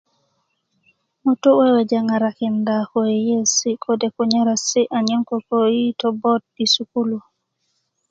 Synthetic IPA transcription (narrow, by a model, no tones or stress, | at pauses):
mɔtuwɛwɛd͡ʒaŋaɾakindakɔjɛjesikʰɔdɛkɔɲaɾasiʔaɲinkɔkojitɔbɔt̚bisukulu